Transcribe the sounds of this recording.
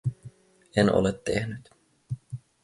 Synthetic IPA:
eno̰let̪ʰːehnyt̪

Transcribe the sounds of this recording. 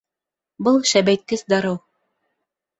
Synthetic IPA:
bɤlˠʃæbæjt̪̚kɘsd̪ɑɾɤw

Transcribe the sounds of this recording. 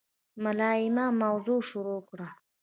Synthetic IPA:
malɑːɪmamawzuʃʊɾokɽa

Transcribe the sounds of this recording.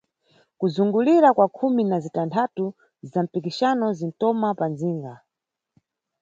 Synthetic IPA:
kuzuŋɡuliɾakwakʰuminazitantʰatu | zam̩pikiʃanɔzin̩tɔmapanziːŋɡa

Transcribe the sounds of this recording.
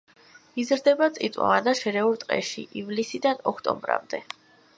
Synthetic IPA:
izɾd̪ɛbat̪sʼit̪ʼwa̰ad̪aʃɛɾɛuɾt̪ʼqʼɛ̰ʃḭʔivlisid̪anɔkʰt̪ʼɔ̰mbɾa̰md̪ɛ

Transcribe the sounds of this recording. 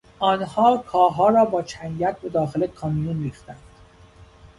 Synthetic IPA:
ʔɒːnhɒːkʰɒːɦɒːɾɒːbɒːt͡ʃʰæŋɟæt̪̚be̞d̪ɒːxelekʰɒmijunriːxt̪ænd̪̥

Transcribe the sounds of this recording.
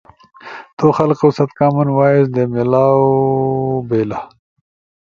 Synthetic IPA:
t̪oːxɐlqosɐt̪kaːmunwaːisd̪emilaːw | beːla

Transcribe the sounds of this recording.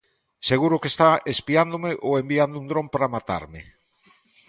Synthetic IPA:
seɣuɾʊkest̪aespiand̪omeʔoembiand̪ʊund̪ɾompaɾamat̪a̰ɾmɪ̰

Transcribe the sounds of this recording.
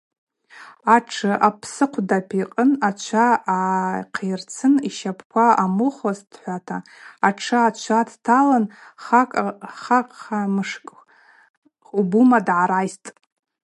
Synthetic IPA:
aʈ͡ʂʰɨʔapʰsɨqʷʰdapʰiqʼənat͡ʃʷʰaː | qʰejrt͡sʰɨniʃapʰkʷʰaamɨχazd̥ħʷatʰaaʈ͡ʂʰaat͡ʃʷʰatʰtʰalanakʼχakʼχamɨʂkʼ | ubumadʕaɾajstʼ

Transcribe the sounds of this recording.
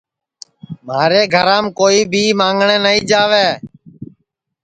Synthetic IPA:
maːɾeːɡʱəɾaːmkoːiːbʱiːmãːŋɡɳeːnəĩːd͡ʒaːʋeː

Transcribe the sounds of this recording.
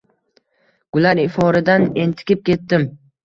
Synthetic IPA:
ɡ̥ʊlaɾɪfɒɾɪd̪ane̞nt̪ʰɪ̥kʲɪp̚kʲe̞t̪ːɪm

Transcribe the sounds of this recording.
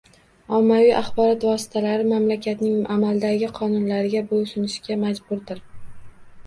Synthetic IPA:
ɒmːavijʔaχbɒɾɒt̪vɒsɪ̥t̪ʰalaɾɪmamlakʲʰat̪nɪŋʔamald̪aɡʲɪqʰɒnʊnlaɾɪɡʲabolsʊnɪʃɡʲamad͡ʒbʊɾd̪ɪɾ

